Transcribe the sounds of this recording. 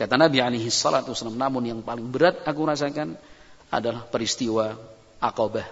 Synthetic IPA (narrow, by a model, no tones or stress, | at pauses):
kat̪anabialejɦisːɔlat̪uwasalamnamʊnjaŋpalɪŋbəɾat̪̚akuɾas̬akan | a̰dalahpəɾist̪iwa | ʔakabah